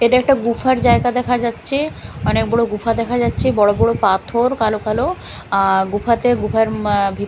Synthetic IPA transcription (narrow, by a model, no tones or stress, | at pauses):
eʈaɛk̚ʈaɡufʰaɾd͡ʑaeɡad̪ɛkʰad͡ʑatːɕʰeɔnek̚bɔɽoɡufʰad̪ɛkʰad͡ʑatːɕʰebɔɽobɔɽopat̪ʰoɾkalokalo | ɡufʰat̪eɾɡufʰaɾbʱi